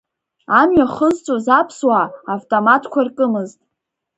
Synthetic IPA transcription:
amɥaχəzt͡sʷʼozapʰswaːvtʼomatʰkʷʰarkʼɨmɨztʼ

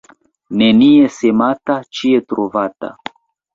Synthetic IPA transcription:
ne̞nie̞se̞matat͡ʃie̞tɾovata̰

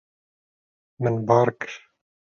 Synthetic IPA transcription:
mənbɑːɾˤk

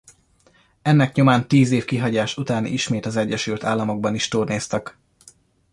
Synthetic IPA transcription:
ɛnːɛkɲomaːnt̪iːzeːfkiɦɒɟaːʃut̪aːnḭiʃmeːt̪ɒzɛɟːɛʃylt̪aːlːɒmo̞ɡ̚bɒniʃt̪uːrneːst̪ɛk

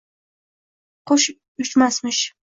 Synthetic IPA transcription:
qoʃ | ʊt͡ʃmasmɪʃ

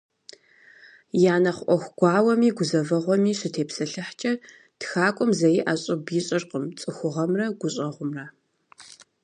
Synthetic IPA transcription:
jaːnɐχʷʔʷɔxʷɡ̥ʷɑːwɐmiːɡʷʊzɐvɐʁʷɔmiːɕɪtʰeːpsɐɬɨħt͡ʃʼɐ | txaːkʷʼʊmzɐjiʔaːɕʼɪbjɪɕʼɪrqəmt͡sʼɨxʷʊʁɐmrɐɡʷʊɕʼɐʁʷʊmrɐ

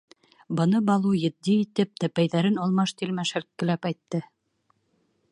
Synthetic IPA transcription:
bɤ̆nɤbɑlˠujɘ̆d̪ːiːt̪ɘp̚t̪æpæjðæɾɘnɑlˠmɑʃt̪ilmæʃælkːɘ̆læpæjt̪ːɘ

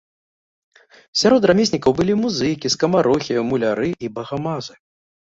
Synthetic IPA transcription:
sʲaɾɔt̪ramʲesʲnʲikɐwbɨlʲimuzɨjkʲiskɐmaɾɔxʲiwmulʲaɾɨʔibɐɣamazɨ

